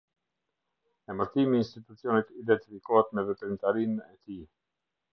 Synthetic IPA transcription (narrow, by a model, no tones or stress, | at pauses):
ɛməɾt̪imiːnst̪it̪ut͡siɔnit̪id̪ɛnt̪ifikɔhɛt̪mɛvɛt̪ɾimt̪aɾinɛt̪i